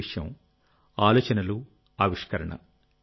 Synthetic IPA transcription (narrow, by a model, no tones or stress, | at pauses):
iʂjɐ̃m | aːlɔːt͡ʃɐnɐlu | aːʋiʂkɐɾɐɳɐ̰